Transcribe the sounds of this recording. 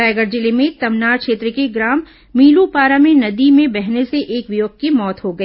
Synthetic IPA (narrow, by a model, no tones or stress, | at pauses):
ajɡəɾd͡ʒɪlemẽt̪ɐmnaːɾkʃeːt̪ɾəkiɡɾaːmː | iːlupaːɾamẽnɐd̪imẽbɛɦneseʔeːkʋɪjoːɡ̚kimɔːt̪ɦoɡɐiː